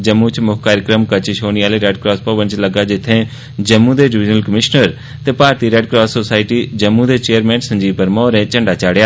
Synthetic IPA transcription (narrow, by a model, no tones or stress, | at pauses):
d͡ʒɐmːũt͡ʃmʊɦkaːɾjəkɾəmkɐt͡ʃɪʃoːniaːleɾeːɖkɾaːspɐʋə̃nt͡ʃlɐɡad͡ʒɪt̪ʰẽ | d͡ʒɐmːũd̪eɖɪʋɪd͡ʒnəlkəmɪʃnəɾ | t̪epaːɾt̪iɾɛːɖ̚kɾaːssoːsaːɪʈid͡ʒɐmːũd̪et͡ʃeːjəɾmɛ̃ːnsɐ̃ɲd͡ʒiːbpəɾmɔːɾɛ̃t͡ʃɐ̃ɳɖat͡ʃaːɽjaː